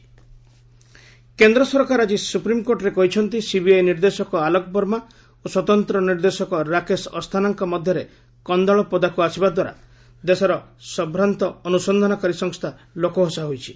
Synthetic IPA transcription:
kend̪ɾɔsɔɾkaɾad͡ʒisupɾimkoɾʈɾekɔɦit͡ʃʰɔnt̪isibiajniɾd̪esɔkɔalɔkɔpɔɾma | oswɔt̪ɔnt̪ɾɔniɾd̪esɔkɔɾakesɔst̪ʰanaŋkɔmɔd̪ʱjɔɾe | kɔnd̪aɭɔpɔd̪akuasibad̪waɾa̰ | d̪esɔɾɔsɔbɾant̪ɔːnusɔnd̪ʱɔnɔkaɾisɔŋst̪ʰa | lokɔɦɔsaɦojt͡ʃʰi̥

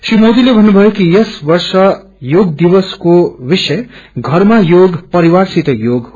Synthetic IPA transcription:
simod̪ilebʱʌnːubʱʌjokijʌsbʌɾsʌ | joɡ̚d̪iβʌskobisʌeɡʱʌɾmajoɡpʌɾiwaɾsit̪ʌjoɡɦ

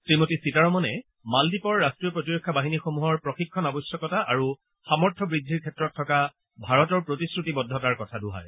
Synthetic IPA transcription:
sɹimotisitaɹɔmɔnɛ | maldipɔɹːastɹijɔpɹotiɹɔkʰːabaɦinixomuɦɔɹpɹɔxikʰːɔnabɔjsjɔkɔtaʔaɹu | xamɔɹtʰɔbɹidʱːiɹkʰɛtɹɔtʰːɔka | bʱaɹɔtɔɹpɹotiskɹutibɔdʱːɔtaɹkɔtʰaduɦa̰j

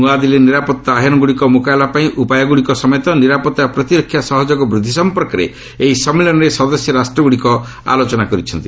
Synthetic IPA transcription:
uad̪ileniɾapɔt̪ːaːɦjɔnɔɡuɽikɔmukaelapaĩʔupajɔɡuɽikɔsɔmɔjɔt̪ɔniɾapɔt̪ːapɾɔt̪iɾɔkʰːjasɔɦɔd͡ʒɔɡɔbɾud̪ʱːisɔmpɔɾkɔɾḛ | eɦisɔmilɔnɔɾesɔd̪ɔsjɔɾasʈɾɔɡuɽikɔ | a̰lot͡ʃɔnakɔɾit͡ʃʰɔnt̪i

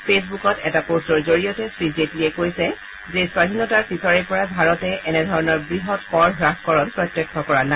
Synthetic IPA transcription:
pʰesbukɔtɛtaposɔɹzoɹijɔtɛsɹizetliɛkojsɛ | zeswadʱinɔtaɹpisɔɹɛpɔɹabʱaɹɔtɛɛnɛdʱɔɹɔnɔɹbɹiɦɔtpɔɹɦɹakkɔɹɔnpɹɔtːjɛkʰːɔkɔɹana

